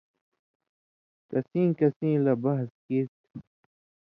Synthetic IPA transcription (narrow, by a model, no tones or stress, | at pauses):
kɐsĩːkɐsĩːlɐbɐɦskit̪̚